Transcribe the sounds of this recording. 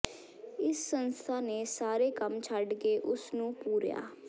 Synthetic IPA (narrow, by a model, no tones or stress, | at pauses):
ɪsːənst̪ʰaːneːsaːɾeːkəmt͡ʃʰəɖkeːʔʊsnũːpuːɾja̰ː